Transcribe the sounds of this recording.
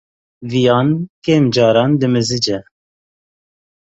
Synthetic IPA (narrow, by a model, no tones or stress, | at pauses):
vijɑːnkeːmd͡ʒɑːɾɑːnd̪ɨmɨzɨd͡ʒɛ